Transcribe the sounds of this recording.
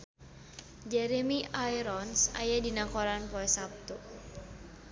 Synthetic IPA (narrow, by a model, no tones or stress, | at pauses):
d͡ʒɛɾemiajɾɔnsa̰jadinakɔɾanpɔɛsap̚t̪u